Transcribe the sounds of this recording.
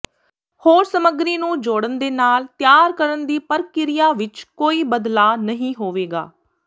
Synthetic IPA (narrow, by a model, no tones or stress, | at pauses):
hoːɾsəməɡɾiːnũːd͡ʒoːɽənd̪eːnaːlt̪jaːɾkəɾənd̪iːpəɾkɪɾɪjaːʋɪt͡ʃkoːiːbəd̪laːnəɦĩːɦoːʋeːɡa̰ː